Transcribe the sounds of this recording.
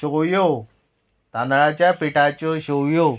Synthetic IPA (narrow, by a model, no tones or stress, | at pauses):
ojo | t̪and̪ɭat͡ɕjapiʈat͡ɕoɕowjo